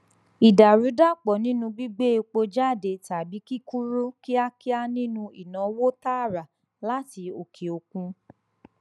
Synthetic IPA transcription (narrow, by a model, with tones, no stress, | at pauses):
i˨da˨ɾu˨˦da˦˨k͡pɔ˨nĩ˦nũ˧ɡ͡bi˦ɡ͡be˦˧k͡po˧d͡ʒa˦˨de˨ta˨bi˨˦ki˦ku˦ɾo˦ki˦a˧ki˦a˦nĩ˦nũ˧i˨nã˨˦wo˦ta˦˨ɾa˨ | la˦ti˧o˨kʰe˨o˧kũ˧